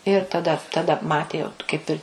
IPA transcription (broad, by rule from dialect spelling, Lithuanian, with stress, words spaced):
ɪr tɐˈdɐ tɐˈdɐ ˈmɑːtʲeː jɛʊ t kɐɪp ˈɪr